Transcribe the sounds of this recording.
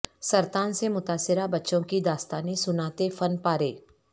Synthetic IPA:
sɐɾt̪aːnsemʊt̪aːsːɪɾabɐtːʃõkid̪aːst̪aːnisʊnaːt̪efɐnpaːɾḛː

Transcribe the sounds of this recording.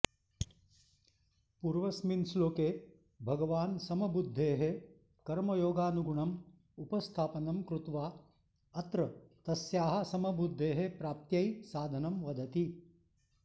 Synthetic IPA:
puːɾʋɐsminsloːkeː | bʱɐɡɐʋaːnsɐmɐbud̪ʱːeːɦe | kɐɾmɐjoːɡaːnuɡuɳɐm | upɐst̪ʰaːpɐnɐmkɾut̪ʋaː | ɐt̪ɾɐt̪ɐsjaːɦɐ̆sɐmɐbud̪ʱːeːɦepɾaːp̚t̪jɐjsaːd̪ʱɐnɐmʋɐd̪ʱɐt̪i

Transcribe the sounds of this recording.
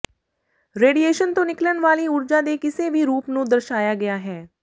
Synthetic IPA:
ɾeːɖieːʃənt̪õːnɪklənʋaːliʊɾd͡ʒaːd̪eːkɪseʋʱiɾuːpnũːd̪əɾʃaːjaːɡɐjaɦɛː

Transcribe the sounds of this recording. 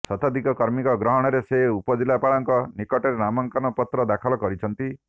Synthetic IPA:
sɔt̪ad̪ʱikɔkɔɾmikɔɡɾɔɦɔɽ̃ɔɾeseupɔd͡ʒilapaɭɔŋkɔnikɔʈeɾenamɔŋkanɔpɔt̪ɾɔd̪akʰɔlɔkɔɾit͡ʃʰɔnt̪i

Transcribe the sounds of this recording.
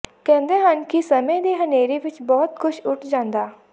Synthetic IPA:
kɛ̃ːnd̪eɦankisɐmẽd̪iɦɐneːɾeʋɪt͡ʃbɔːt̪xʊʃʊʈʰd͡ʒãːnd̪aː

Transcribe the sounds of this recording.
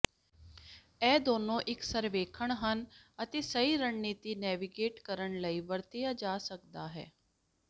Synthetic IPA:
ɛːd̪oːnõːʔɪksəɾʋeːkʰəɳɦənət̪eːsəiːɾəɳniːt̪iːnɛːʋiɡeːʈkəɾəɳləiːʋəɾt̪ejaːd͡ʒaːsək̚d̪aːɦɛ̰ː

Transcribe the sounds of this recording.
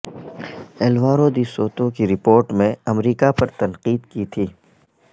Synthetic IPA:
ɛːlʋaːɾod̪isoːt̪õkiɾɪpoːɾʈmẽɐmɾiːkapɐɾt̪ɐnqiːd̪kit̪ʰiː

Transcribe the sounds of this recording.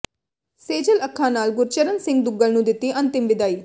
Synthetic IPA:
seːd͡ʒələkʰːãːnaːlɡʊɾt͡ʃəɾənsɪ̃ŋɡ̚d̪ʊɡəlnũːd̪ɪt̪ːiːʔɐ̃nt̪ɪmʋɪd̪aːiː

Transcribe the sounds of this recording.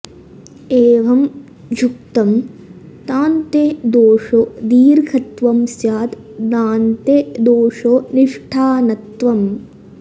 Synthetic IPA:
eːʋɐm | d͡ʒuk̚t̪ɐm | t̪aːnt̪ed̪oːʂod̪iːɾkʰɐt̪ʋɐmsjaːt̪ | naːnt̪ed̪oːʂoniʂʈʰaːnɐt̪ʋɐm

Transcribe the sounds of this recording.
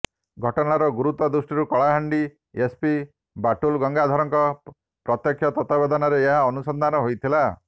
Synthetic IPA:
ɡʱɔʈɔnaɾɔɡuɾut̪ɔd̪usʈiɾukɔɭaɦaɳɖi | espi | baʈulɡɔŋɡad̪ʱɔɾɔŋkɔ | pɾɔt̪jɔkʰjɔt̪ɔt̪abed̪ʱɔnɔɾeːɦaɔnusɔnd̪ʱanɔɦojt̪ʰila

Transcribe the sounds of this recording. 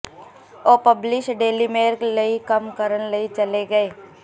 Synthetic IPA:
oːpɐblɪʃɖeːlimeːɾklɐikɐmkəɾənlɐit͡ʃɐleɡɐeː

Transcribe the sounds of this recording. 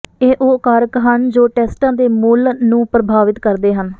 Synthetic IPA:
eːʔoːkəɾəkɦənd͡ʒoːʈɛːsʈãːd̪eːmʊlnũːpɾəbʱaːʋɪt̪kəɾd̪eːɦən

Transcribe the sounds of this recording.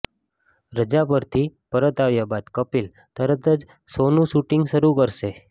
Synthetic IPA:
ɾəd͡ʒapəɾt̪ʰipəɾət̪aʋjabad̪kəpil | t̪əɾət̪əd͡ʒ | sonũʃuʈiŋɡʃəɾukəɾʃe

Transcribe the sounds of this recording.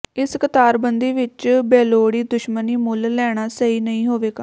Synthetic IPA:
ɪskət̪aːɾbənd̪iːʋɪt͡ʃbɛːloːɽiːd̪ʊʃməniːmʊlːɛːɽ̃aːsəiːnəĩːɦoːʋeːɡaː

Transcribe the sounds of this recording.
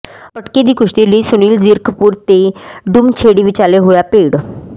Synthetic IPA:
pəʈkid̪iːkuʂʈ̪iliːsuniːld͡ziɾkʰpuːɾt̪eɖumt͡ɕʰeɽiʋit͡ɕaleɦojapeɽ

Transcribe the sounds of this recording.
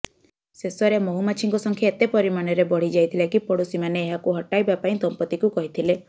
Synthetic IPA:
sesɔɾemoɦumat͡ʃʰiŋkɔsɔŋkʰjaet̪epɔɾimanɔɾebɔɽ̤id͡ʒajt̪ʰilekipɔɽusimaneːɦakuɦɔʈajbapaĩt̪ɔmpɔt̪ikukɔɦit̪ʰile

